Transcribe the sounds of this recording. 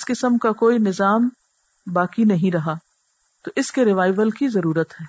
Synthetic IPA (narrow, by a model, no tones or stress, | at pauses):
ɪskɪsəmkakoːinɪzaːm | baːkinɐɦĩɾɐɦaː | t̪oʔɪskeɾɪʋaːɪʋəlkizɐɾuːɾət̪ɦɛː